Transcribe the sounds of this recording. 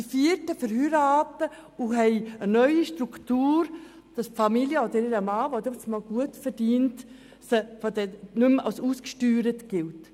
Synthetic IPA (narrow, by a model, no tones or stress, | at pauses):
ifiːɾtəfəɾhyɾɑːtə | ʊɦɛɪənœʏiʃtɾuktuːɾ | d̥ɑsfɑmiljəod̪əɾiɾəmɑːʋod̪ɛt͡smɑlɡ̥uətfəɾdiːnt | səfɔd̪ɛnʉmɑ̰lsuːskʃtyːɾətɡ̥ɪlt